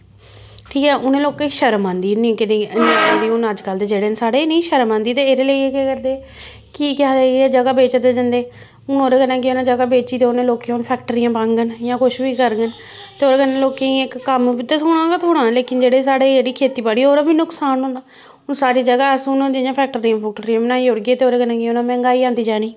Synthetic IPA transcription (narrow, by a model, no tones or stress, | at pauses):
ʈʰiːkɛːʔʊnẽːloːkeʃəɾəmãːnd̪iːñːkɪnenĩːkəd̪iːʊnəd͡ʒkəld̪eːd͡ʒeːɽeːnsaːɽeːnĩːʃəɾəmãːnd̪iːt̪eːɾeːləiːeːkeːkəɾd̪eː | kiːkãːd̪eːɛːd͡ʒəɡaːbeːt͡ʃd̪eːd͡ʒənd̪eː | ʊnoːɾaːkənãːkeonãːd͡ʒəɡaːbeːt͡ʃiːt̪eːʊnẽːloːkeʊnpʰɛːkʈəɾijãːbãːŋɡənjãːkʊʃbiːkəɾɡən | t̪eːoːɾeːkənẽːloːkẽːĩɪkːəmt̪eːt̪ʰoːɽ̃ãːkat̪ʰoːɽãːleːkɪnd͡ʒeːɽeːs̬aːɽeːd͡ʒeːɽiːkʰeːt̪iːbaːɽiːoːɾaːbiːnʊksaːnʊ̃nd̪aː | ʊnsaːɽiːd͡ʒəɡaːəsnõːd͡ʒ̪ɪjãːpʰɛːk̚ʈəɾijãːpʰɛk̚ʈəɾijãːbənaːiːʊɽɡeːt̪eːoːɾeːkənãːkiʊnãːmɛ̃ːŋɡaːiːãːnd̪iːd͡ʒaːniː